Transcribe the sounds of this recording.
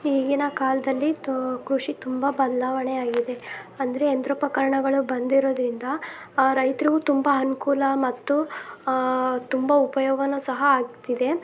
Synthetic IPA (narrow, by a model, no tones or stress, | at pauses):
iːɡinɐkaːlɐd̪ɐlːikɾuʂit̪umbɐbɐd̪laːʋɐɳeaːɡid̪e̞ɐnd̪ɐɾeːnd̪ɾɐpɐkɐɾɐɳɐɡɐɭubɐnd̪iɾo̞ːd̪ɾind̪ɐ | ɾɐjt̪ɾiɡut̪umbɐɐnukuːlɐmɐt̪ːu | t̪umbɐupɐjɔːɡɐnusɐɦɐaːɡt̪id̪e̞